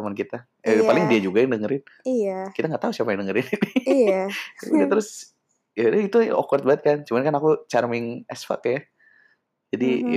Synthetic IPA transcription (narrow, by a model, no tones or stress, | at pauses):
mankit̪a | əpalɪŋdiad͡ʒuɡaɪŋdəŋəɾɪniakit̪aŋɡaʔt̪ausiapajaŋdəŋəɾɪnin | unat̪əɾʊs | jadait̪ṵʔo̰kɾat̪̚baət̪̚kant͡ʃumankanakut͡ʃarmɪŋɛsfa̰kːaja | d͡ʒadi